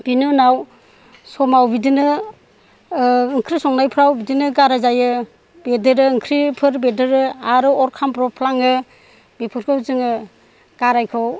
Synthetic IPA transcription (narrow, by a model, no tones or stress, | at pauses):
b̥inɯnaw | sɔmawbidinɯ | ɯŋkʰɾisɔŋnajpʰɾawbidinɯɡaɾajzajɯ | b̥edɯɾɯɯŋkʰɾipʰɯɾbedɯɾɯaɾɯɔɾkʰampɾɔpʰlaŋɯ | bipʰɯɾkʰɯwzɯŋɯ | ɡ̥aɾajkʰɯw